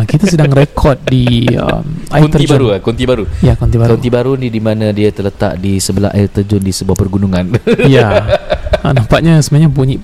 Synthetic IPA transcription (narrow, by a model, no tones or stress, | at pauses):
kit̪as̬ədaŋrekʰɔt̪̚diə̰mant̪əɾid͡ʒaɾukunt̪ibaɾujakont̪ibaɾknt̪ibaɾunidimanãdiat̪ələt̪a̰ʔ̚disəbəla̰ʔa̰ɪrt̪ərd͡ʒʊndisəbuahpərɡunuŋanja | ənampaʔ̪̚ɲasəmuaɲãp̬uɲi